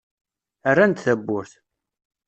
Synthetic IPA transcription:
ərːænt̪θæbːʊɾθ

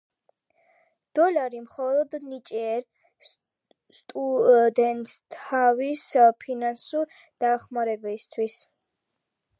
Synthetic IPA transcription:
d̪̥ɔlaɾimχɔlɔd̪nit͡ʃʼɛɛɾ | st̪ʼud̪ɛnt̪ʰavispʰinansuɾ | d̪̥aχmaɾɛbist̪ʰwis

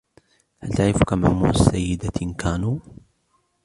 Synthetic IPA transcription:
halt̪aʕɾɪfkamamuːʕsːajːɪd̪akaːnuː

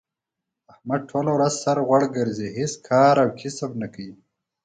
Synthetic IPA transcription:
ahmad̪̚ʈʰoːlawɾazsaɾɣwaɽɡəɾziɦiskʰaːɾawkʰisabnakai

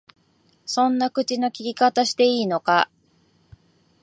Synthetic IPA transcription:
sõ̞nːakɯ̟t͡ɕino̞kʲikʲikat̪aɕi̥t̪e̞iːno̞ka

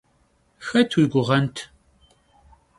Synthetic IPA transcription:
xɐtʰwiɡʷʊʁɐntʰ

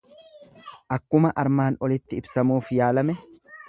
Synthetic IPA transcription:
ʔɐkːʊmɐʔɐɾmaːnɔlɪt̪ːɪɪbsɐmuːfjaːlɐmɛ

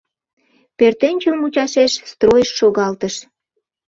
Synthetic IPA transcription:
pørt̪enʲt͡ɕəmut͡ɕɑʃeʃst̪rojəʃːoɣɑlt̪əʃ

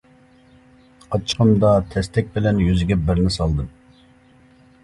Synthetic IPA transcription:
ɑt͡ʃʰqʰəmd̪ɑt̪ʰɛst̪ʰɛk̚ʲbɪlɛnjyzɪɡʲɛbɪɾnɪsɑlˠd̪ɨm

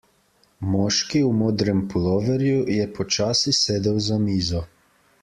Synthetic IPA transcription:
mɔːʃkiumoːd̪ɾɛmpɔlɔːʋɛɾjujɛpɔt͡ʃaːsiseːd̪əwzamiːzɔ

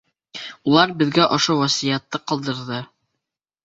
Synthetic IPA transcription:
ulˠɑɾbɘ̆ðɡæʔŏʃowæsijæt̪ːɤqɑlˠd̪ɤ̆ɾðɤ

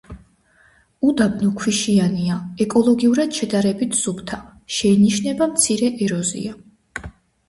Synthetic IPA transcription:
ud̪abnukʰwiʃianiaɛkʼɔlˠɔɡiuɾad̪̥ʃɛd̪aɾɛbit̪ʰz̥ubt̪ʰaʃɛiniʃnɛbamt̪sʰiɾɛʔɛɾɔzḭa

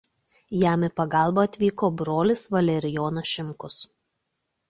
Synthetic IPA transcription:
jæˑmɪpɐɡɑˑlˠbɐːɐt̪ʲʋʲiːkoːbɾoːlʲɪsʋɐlʲɛɾʲɪjoːnɐʃʲɪmkʊs

